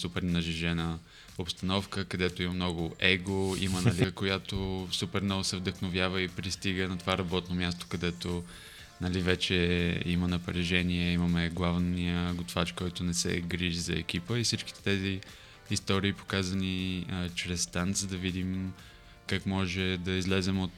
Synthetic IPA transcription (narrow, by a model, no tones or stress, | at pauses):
supɛɾnɐʒiʒɛnə | opst̪ɐnɔfkəkɐd̪ɛt̪oimɐmnɔɡʊʔɛɡoḭmənɐlʲikojat̪osupɛɾnɔlˠsɛvd̪əxnovjavəipɾist̪iɡənɐt̪ovaɾɐbɔt̪nomʲjast̪o̥kɐd̪ɛt̪o | nɐlivɛt͡ʃɛimənɐpɾɛʒɛniɛiməmɛɡlˠavnijəɡot̪vat͡ʃkɔjt̪ʊnɛsɛ̰ɡɾiʒizɐɛk̟ipəifsit͡ʃki̥t̪ɛ̥t̪ɛziː | st̪ɔɾiːpo̥kazəniət͡ʃɾɛsːt̪ant̪zd̪ɐvid̪im | kakmɔʒɛd̪ɐizlɛzɛmot̪